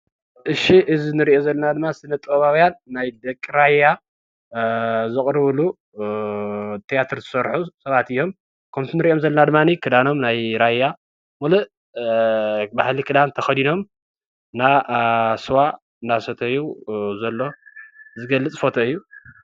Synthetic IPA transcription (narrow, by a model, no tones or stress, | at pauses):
ʔɨʃiʔɨzinɨɾiʔozɐlːɐnad̪ɨmːasɨnɐt̪ʼɐβawjanːajd̪ɐkʼːiɾaja | zɨkʼɾɨβɨlu | t̪ʰijat̪ʰɨɾzɨsɐɾħusɐβat̪ɨjːo̞m | kʰɐmt̪ʰunɨɾiʔo̞mzɐlːɐnad̪ɨmːanikʰɨd̪ano̞mnajɾajːa | mulɨ | bahlikʰɨd̪ant̪ʰɐxɐd̪ino̞m | nasɨwa | nasɐt̪ʰɐɨjuzɐlːozɨɡɐlːɨt͡sʼfot̪ʰɐɨjːu